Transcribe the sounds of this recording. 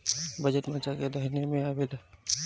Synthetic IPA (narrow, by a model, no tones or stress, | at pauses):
bəd͡ʒəʈmət͡ʃaked̪əɦnemẽabil